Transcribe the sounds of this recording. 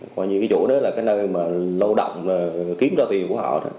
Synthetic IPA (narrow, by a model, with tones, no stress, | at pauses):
kwaː˧ɲɨ˧kaː˨˦t͡ɕṵ˧˩nɨ̰˧˦laː˨˩kaː˨˦jnəː˧jmaː˨˩lə˧wɗə̰˧˨wŋ͡mmaː˨˩xi˨˦mzɔː˧t̪i˨˩əŋku˧˩˦hɔ̰˧˩˨ɗa̰˨˦